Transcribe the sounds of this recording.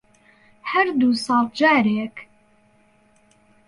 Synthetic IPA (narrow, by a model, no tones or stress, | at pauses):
hæɾd̪uːsɑːld͡ʒaːɾeːk